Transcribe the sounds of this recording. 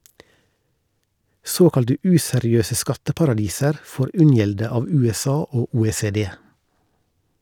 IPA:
ˈsoːkɑltə ˈʉːsɛɾɪˌøːsə ˈskɑtəpɑɾɑˌdiːsəɾ ˈfoːɾ ˈʉnjɛldə ˈɑːʋ ˌʉːɛˈsɑː ˈoː uːeːseːˈdeː

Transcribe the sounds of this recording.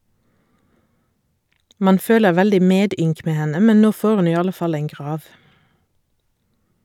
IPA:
ˈmɑn ˈføːləʁ ˈʋɛldɪ ˈmeːˌdʏŋk ˈmeː ˈhɛnə ˈmɛn ˈnoː ˈfoːʁ ˈʉn ˈiː ˈɑlə ˈfɑl ˈeːŋ ˈɡʁɑːʋ

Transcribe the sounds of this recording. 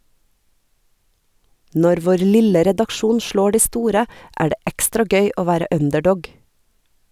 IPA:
ˈnɔɾ ˈʋoːɾ ˈlɪlə ɾɛdɑkˈʃuːn ˈʃloː ˈɖiː ˈstuːɾə ˈæː ˈɖeː ˈɛkstɾɑ ˈɡœʏ ˈoː ˈʋæːɾə ˈœndɛˌɖɔɡ

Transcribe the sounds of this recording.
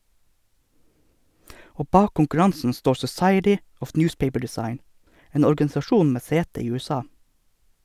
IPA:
ˈoː ˈbɑːk kʊŋkʉˈɹɑnsn̩ ˈstoːɾ sɔˈsɑɪətɪ ˈɔf ˈnjʊːspeɪpə ɖɛˈsɑɪn ˈeːn ɔɾɡɑnɪsɑˈʃuːn ˈmeː ˈseːtə ˈiː ˌʉːɛˈsɑː

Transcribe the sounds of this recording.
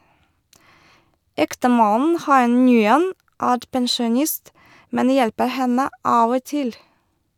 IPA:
ˈɛktəˌmɑnn̩ ˈhɑɪ ˈŋyːən ˈæːɾ pɛnʃʊˈnɪst ˈmɛn ˈjɛlpə ˈhɛnə ˈɑːʋ ˈoː ˈtɪl

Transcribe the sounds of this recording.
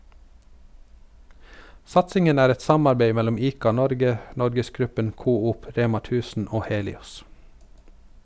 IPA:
ˈsɑtsɪŋən ˈæːɾ ˈɛt ˈsɑmɑɾˌbeɪ ˈmɛlʊm ˈiːkɑˌnɔɾɡə ˈnɔɾɡəsˌɡɾʉpən ˈkuːuːp ˈɾeːmɑ ˈtʉːsn̩ ˈoː ˈheːlɪɔs

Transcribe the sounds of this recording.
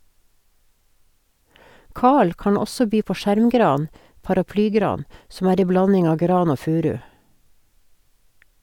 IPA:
ˈkɑːɭ ˈkɑːɳ ˈɔsɔ ˈbyː ˈpoː ˈʃæɾmˌɡɾɑːn pɑɾɑˈplyːˌɡɾɑːn sm̩ ˈæːɾ ˈeɪ ˈblɑnɪŋ ˈɑːʋ ˈɡɾɑːn ˈoː ˈfʉːˌɾʉː

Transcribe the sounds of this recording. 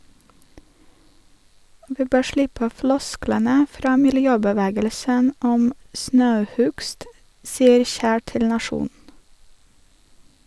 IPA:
ˈʋiː ˈbøː ˈʃlɪpə ˈflɔsklənə ˈfɾɑː mɪlˈjøːbəˌʋæːɡəlsən ˈɔm ˈsnɑʉˌhʉɡst ˈsiːəɾ ˈçæː ˈtɪl nɑˈʃuːn

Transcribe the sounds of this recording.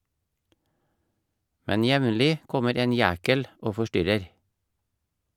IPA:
ˈmɛn ˈjɛʋnlɪ ˈkɔməɾ ˈeːn ˈjæːkəl ˈoː fɔˈʃtʏɾəɾ

